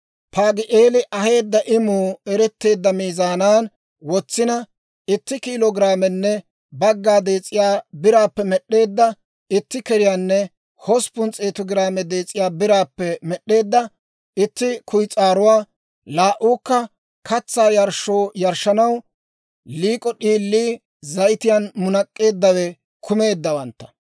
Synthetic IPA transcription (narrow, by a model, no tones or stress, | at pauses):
pʰaːɡɪʔeːlɪʔɐhe̞ːd̪ːɐʔɪmuːɛɾɛt̪ːe̞ːd̪ːɐmiːzaːnaːn | wɔt͡sːɪnɐ | ɪt̪ːɪkiːloɡɪɾaːmɛnːɛ | bɐɡːaːd̪e̞ːt͡sʼːɪjaːbɪɾaːpːɛmɛɗːe̞ːd̪ːɐ | ɪt̪ːɪkɛɾɪjaːnːɛ | hɔspʊnt͡sʼeːt̪ɔɡɪɾaːmɛd̪eːt͡sʼːɪjaːbɪɾaːpːɛmɛɗːe̞ːd̪ːɐ | ɪt̪ːɪkʰʊjt͡sʼaːɾʊwaː | laːʔuːkːɐ | kɐt͡sːaːjɐɾʃoːjɐɾʃːɐnɐw | liːkʼɔɗiːlːiː | zɐjt̪ɪjanmʊnɐkʼːe̞ːd̪ːɐwɛ | kʰʊme̞ːd̪ːɐwɐnt̪ːɐ̥